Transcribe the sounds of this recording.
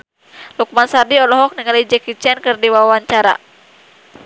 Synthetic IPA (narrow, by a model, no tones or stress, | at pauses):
luk̚mansadiɔlɔɦɔk̚niŋalid͡ʒɛkit͡ʃɛnkɨrdiwawaɲt͡ʃaɾa̰